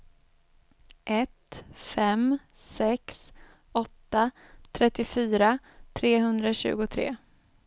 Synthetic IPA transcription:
ʔɛt̪fɛmsɛks | ɔt̪ːat̪ʰɾɛt̪ːɪfyːɾa | t̪ʰɾeːɦɵnd̪ɾaɕʉ̟̰ːɡʊt̪ʰɾḛː

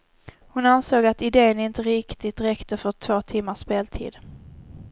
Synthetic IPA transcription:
hʊnansoːɡat̪ɪd̪eːənɪnt̪əɾɪkt̪ɪt̪ɾɛkt̪ʰəfœʈ̪ʰvoːt̪ʰɪmːaʂpeːlt̪ʰḭːd̪

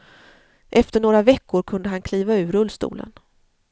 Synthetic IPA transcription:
ʔɛft̪əɳoːɾavɛkːʊɾkʰɵnd̪əɦankʰliːvaʉ̟ːɾɵlːst̪ṵːlə̰n

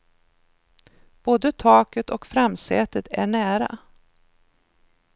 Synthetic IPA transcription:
b̥oːd̪ət̪ʰɑːkət̪ɔkfɾamsɛ̰ːt̪ət̪ʰæ̰ɳæːɾa̰

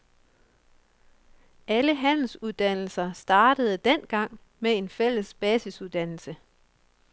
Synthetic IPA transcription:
ʔæləɦæn̰l̩suðˠd̥æn̰l̩sɐsd̥ɑ̈ːɾ̥əð̞̩ˠd̥en̰ɡ̥ɑ̈ŋ̰ | mee̝nfel̰əsb̥ɛːsisuðˠd̥æn̰l̩sə

